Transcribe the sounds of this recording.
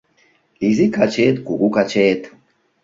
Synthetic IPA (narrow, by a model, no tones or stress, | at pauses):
lizikat͡ʃeːt̪kuɡukat͡ʃeːt̪